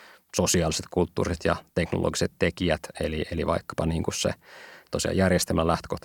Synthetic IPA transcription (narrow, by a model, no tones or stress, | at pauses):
sosiɑːliset̪kult̪ːuːriset̪jɑt̪e̞knolʔo̰ɡiset̪tekiæt̪elieliʋɑ̰ikːɑ̥pɑniːŋkussḛt̪osiɑ̰jærjest̪elmælæht̪ø̥kot̪